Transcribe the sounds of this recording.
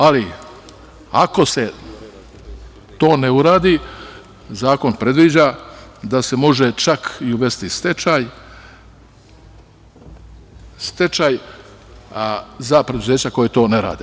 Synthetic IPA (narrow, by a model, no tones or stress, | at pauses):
ali | ako̞se̞ | t̪o̞ːneuɾaːd̪i | zaːko̞npɾe̞d̪ʋid͡ʑad̪ase̞mo̞ʒet͡ʃakʰiuʋe̞st̪ist̪et͡ʃaj | st̪e̞t͡ʃaːj | zapɾeuze̞ːt͡ɕako̞jet̪o̞ːne̞ɾa̰ːd̪e